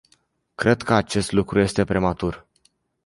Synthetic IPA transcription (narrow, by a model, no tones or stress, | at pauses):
kɾe̞d̪kəat͡ʃe̞st̪lukɾuje̞st̪e̞pɾemat̪ur